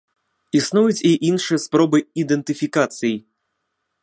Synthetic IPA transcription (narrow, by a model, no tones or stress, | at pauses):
isnujut͡sʲiʔinʂɨjɐspɾɔbɨid̪ɛnt̪ɨfʲikat̪sɨji